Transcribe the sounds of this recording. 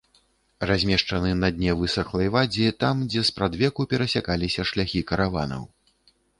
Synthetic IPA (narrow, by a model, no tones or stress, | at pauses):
razʲmʲɛʂt͡ʂɐnɨnɐd̪ʲnʲɛvɨsɐxlˠɐjvad͡zʲit̪amd͡zʲɛspɾad̪vʲɛkupʲɛɾɐsʲakalʲisʲɐʂlʲaxʲikɐɾava̰nɐ̰w